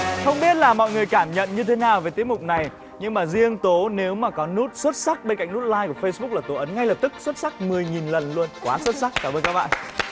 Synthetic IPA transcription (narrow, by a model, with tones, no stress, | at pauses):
xə˧wŋ͡mɓi˦˥ət̚laː˨˩mɔ̰˧˨jŋɨ˨˩əjkaː˧˩mɲə̰˧˨nɲɨ˧t̪ʰe˨˦naː˨˩wve˨˩t̪i˨˦əkmʊ˨˩k͡p̚na˨˩j | ɲɨ˧ŋmaː˨˩zi˧əŋt̪o˨˦ne˨˦wmaː˨˩kɔ˨˦nu˦˥t̚swə˦˥t̚sa˦˥k̚ɓe˧nka̰˧˨jŋnu˦˥t̚laː˧jku˧˩əfə˧jsɓk͡pk̚laː˨˩t̪o˨˦ʔə˨˦nŋa˧jləː˨˩p̚t̪ɨ˦˥k̚swə˦˥t̚sa˦˥k̚mɨ˨˩əjŋi˨˩nlə˨˩nlu˧ənkwaː˨˦swə˦˥t̚sa˦˥k̚kaː˧˩mʔəː˧nkaː˦˥ɓa̰ː˧˨ʔ